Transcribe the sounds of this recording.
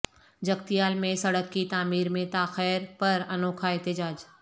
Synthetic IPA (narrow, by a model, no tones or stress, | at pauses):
d͡ʒɐɡt̪ijaːlmẽsɐɽəkːit̪aːmiːɾmẽt̪aːxɛːɾpɐɾɐnoːkʰaeːt̪ɪd͡ʒaːd͡ʒ